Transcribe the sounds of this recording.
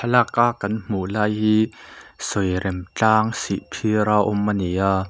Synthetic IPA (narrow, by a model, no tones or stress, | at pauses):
ɐlakaʔkɐnm̥uʔlaːjhiːsɔjɾɛmt͡ɬaːŋsiʔpʰiɾaʔɔmʔɐnijaː